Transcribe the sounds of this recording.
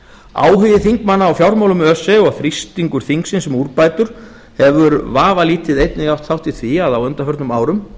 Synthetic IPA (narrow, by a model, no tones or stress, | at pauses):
a̰ːwɦʏðɪθiŋkmanːaːwfjawɾmawlʏmœsːɛɔɣθɾist̪iŋkʏɾ̥θiŋksɪnsɛmuɾpaːjt̪ʏɾ̥ | hɛvʏɾvaːvaliːt̪ɪðejt̪nɪɣaw̥t̪θawht̪iθviaðawœnt̪afœɾt̪nʏmaːwɾʏm